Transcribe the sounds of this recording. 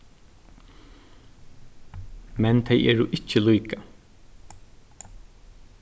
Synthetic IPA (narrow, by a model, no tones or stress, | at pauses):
mɛnt̪ʰejɛ̰ːɹʊʔɪt͡ʃːəlujka